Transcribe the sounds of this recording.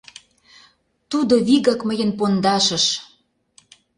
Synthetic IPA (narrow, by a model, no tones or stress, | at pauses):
t̪ud̪oβiɣɑkmə̆jə̆npond̪ɑʃə̆ʃ